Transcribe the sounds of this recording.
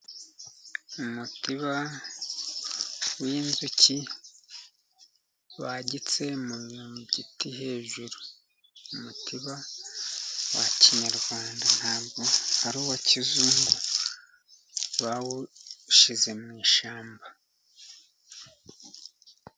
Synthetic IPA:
umutiβa | wiːnzuci | βaɟit͡se̞mumiumiɟitiɦe̞ːʒuɾu | umutʰiβa | waciɲaɾɡwaːndan̥haːbɡohaɾuːwocizuːŋɡu | βawuʃize̞mŋiːʃaːmba

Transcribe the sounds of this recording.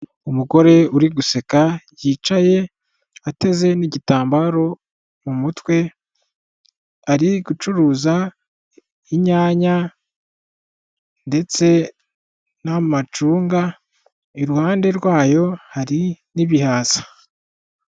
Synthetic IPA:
umuɡo̞ɾe̞uɾiɡuse̞kajiːt͡ʃaje̞ | ate̞ze̞niɟitaːmbaɾo̞ | mumutwe̞ | aɾiɡut͡ʃuɾuːza | iɲaːɲa | nde̞t͡se̞ | namat͡ʃuːŋɡa | iɾuhaːnde̞ɾwaːjo̞haɾiniβihaːzḁ

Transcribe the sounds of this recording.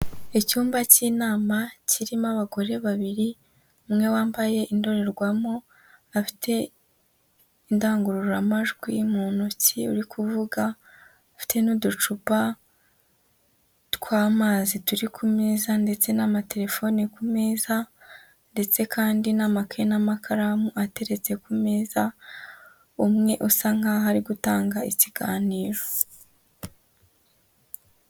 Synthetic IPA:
ecuːmbaciːnaːmaciɾimaβaɡo̞ɾe̞βaβiɾi | umŋe̞waːmbaje̞ʔindo̞ɾe̞ɾɡwamo̞ | afi̥tʰe̞ | indaːŋɡuɾuɾuɾamaʒɡwimuːnuciuɾikʰuvuɡa | afi̥tʰe̞nudut͡ʃupa | tkwaːmaːzituɾikʰume̞ːzande̞t͡se̞namate̞ɾe̞fo̞nikume̞ːza | nde̞t͡se̞kʰaːndinamakʰenamakʰaɾamuate̞ɾe̞t͡se̞kumeːza | umŋe̞ʔusaŋ̥aɦaɾiɡutaːŋɡaiciɡaːniːɾo̞

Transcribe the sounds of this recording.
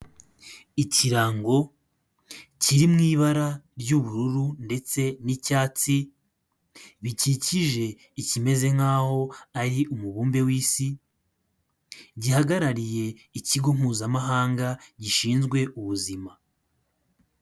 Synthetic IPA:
iciɾaːŋɡo̞ | ciɾimŋiːβaɾaɾɟuβuɾuɾunde̞t͡se̞nicaːt͡si | βiciciʒe̞ | icime̞ze̞ŋ̥haːho̞aɾiʔumuβuːmbe̞wiːsi | ɟihaɡaɾaɾije̞iciɡo̞ŋ̥uːzamaɦaːŋɡaɟiʃiːnzɡwe̞ʔuβuzima

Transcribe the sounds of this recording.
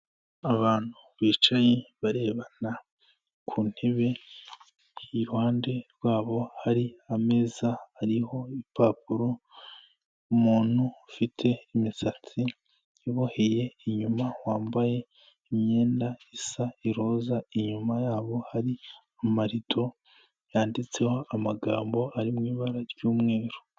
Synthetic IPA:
aβaːn̥huβiːt͡ʃajeβaɾe̞ːβana | kʰun̥heβe̞ | iɾuhaːnde̞ɾwaːβo̞haɾiame̞zaaɾiho̞ipaːpuɾo̞ | umuːn̥hufitʰe̞imisat͡si | iβohe̞je̞iɲumawaːmbaje̞ | imɲe̞ːndaisaiɾo̞ːzaiɲumajaːβo̞haɾi | amaɾitʰo̞ | jaːndit͡se̞ho̞amaɡaːmbo̞ʔaɾimŋiːβaɾaɾɟuːmŋe̞ːɾo

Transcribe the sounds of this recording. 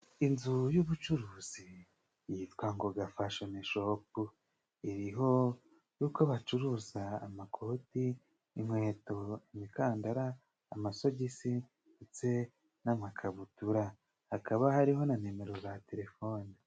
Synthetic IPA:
inzujuβut͡ʃuɾuːz̥i | jitkaŋɡoɡafaʃoneʃop̚u | iɾiɦo̞ | juːkoβat͡ʃuɾuzaːmakʰotiː | mwe̞ːto̞imikaːndaɾaː | maso̞ɟisi | et͡se | namakʰaβutuɾa | hakʰaβahaɾiɦo̞nane̞me̞ɾo̞zate̞ɾe̞foːni

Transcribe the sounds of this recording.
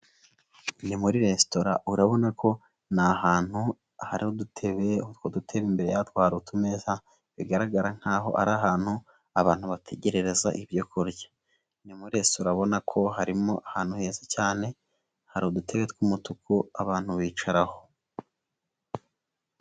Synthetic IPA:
nimuɾiɾe̞sto̞ɾa̰uɾaβo̞nako̞ | nahaːn̥hu | haɾihodutʰe̞βeotwodutʰe̞βimbe̞ɾe̞̰jatwaːɾutumeːza | βiɡaɾaɡaɾaŋ̥haːɦo̞̰ʔa̰ɾaɦaːn̥hu | aβaːn̥huβatʰe̞ɟe̞ɾe̞ɾe̞za̰ʔiβjokʰoɾɟḁ | nimuɾiɾe̞sto̞ɾaβo̞nakʰo̞ɦaɾimo̞ʔahaːn̥uhe̞ːzacaːne̞ | haɾihodutʰe̞βe̞twumutukuaβaːn̥huβiːt͡ʃaɾaho̞

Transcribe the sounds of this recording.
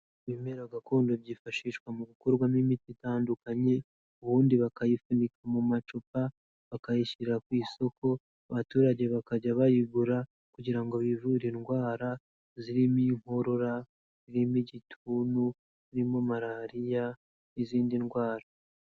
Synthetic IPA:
βime̞ɾaɡakuːndoβɟiːfaʃiːʃwamuɡukoɾɡwamimititaːndukaɲe̞ | uβuːndiβakajifundikamumat͡ʃupa | βakajiʃiɾɾakwiːso̞ko̞ | aβatuːɾaɟe̞βakaɟaβajiɡuɾa | kuɟiɾaŋɡoβivuɾinɡwaːɾa | ziɾimiŋho̞ɾo̞ɾa | ziɾimiɟitʰunu | ziɾimo̞maɾaɾija | iziːndinɡwaːɾa

